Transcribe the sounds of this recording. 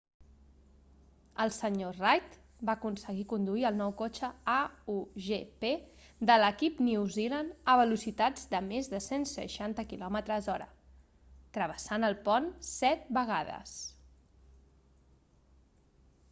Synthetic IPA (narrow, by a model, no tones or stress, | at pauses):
əlˠsəɲorajt̪ | baəkunsəɣikund̪uiəlˠnɔwkot͡ʃəauʒeped̪ələkipnuwzilanəβəlusit̪ad͡zd̪əmezðəsensə̰ʃant̪əkilɔmət̪ɾəzɔɾə̰ | t̪ɾəβəsanəlˠpɔnsɛt̪̚bəɣ̞aðə̰s